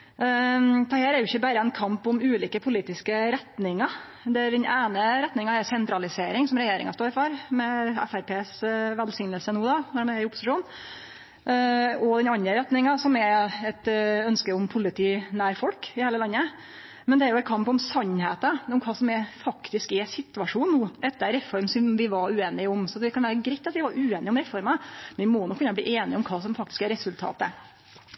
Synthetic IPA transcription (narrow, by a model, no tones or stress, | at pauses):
t̪ʰɛhæːɾæɾjʊɪçːəbæːɾəɛnkʰɑmpɔmʉːliːkəpʰʊliːt̪ɪskəɾɛt̪nɪŋɑ | d̪ɛæɾd̪ɛnʔeːnəɾɛt̪nɪŋɑɛɾsɛnt̪ɾɑlɪseːɾɪŋsɔmɾɛjeːɾɪ̰ŋɑst̪oːɾfɔɾmɛɛ̰fæɾpʰeːsʋɛlsɪŋnəlsənuːd̪ɑnɔɖɛmɛɾɪʊpːʊ̥sɪʂuːn | ɔd̪ɛnɑnɾəɾɛt̪nɪŋɑsɔmɛɾɛt̪œnskəɾʊmpʰʊlɪt̪ʰiːnæːɾfɔlkɪheːləlɑnːə | mɛnd̪ɛæɾjʊɛt̪̚kʰɑmpɔmsɑnːheːt̪əɔmkʰɑːsɔmɛfɑkt̪ɪskɛsɪt̪ʉɑʂuːnnːuːʔɛt̪ːəɾɾɛfɔɾmsɔmʋɪʋɑʉeːnɪʊmsɔd̪ɛkʰɑnʋæːɾəɡɾɛɪt̪ːɑt̪ʋɪʋɑɾʔʉːeːnɪʊmɾɛfɔɾmɑmɛnɪmɔnɔkʰːʉnɑblḭːʔeːnɪɔmkʰɑːsɔmfɑk̚t̪ɪ̥skɛɾɛsʉlt̪ʰɑ̰ːt̪ə